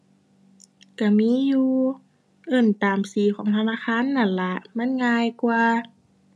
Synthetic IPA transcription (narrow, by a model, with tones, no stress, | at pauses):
ka˧˩miː˧˥˨juː˧ | ʔɤ˧˩nt̪aː˨msiː˨˩˦kʰɔː˨˩˦ŋt̪ʰa˧naː˧˥˨xaː˧˥˨nːa˧˥˩nla˧ʔma˧˥˨nŋaː˧˨jkwaː˧